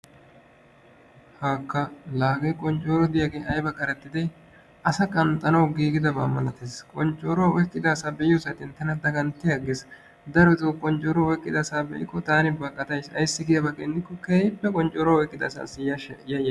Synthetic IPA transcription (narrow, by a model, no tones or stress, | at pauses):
haːkːɐlaːɡɐjkʼɔnt͡ʃʼːoːɾɔd̪ɪjaɡeːɐjbɐkʼɐɾɛt̪ːɪd̪ɛ | ʔɐsɐkʼɐnt̪ʼɐnɐwɡiːɡɪd̪ɐbaːmɐnɐt̪eːskʼɔnt͡ʃʼːoːɾɔwɐɔjtːɪd̪aːsaːbɛjʊsɐt̪ɪnt̪ːɐnɐd̪ɐɡɐnt̪ːɪjɐɡes | d̪ɐɾɔt̪ɔkʼɔnt͡ʃʼɔːɾɔɔjkʼːɪd̪ɐsaːbɛ̰ʔɪkːɔt̪aːnɪbɐkʼːɐt̪ɐjsɐ̰jsːɪɡɪjɐbɐkʼːend̪ɪkːɔkeːjɪpːɛkʼɔnt͡ʃʼːoːɾɔwaɔjkʼːɪd̪ɐsa̰ːsɪjɐjɐj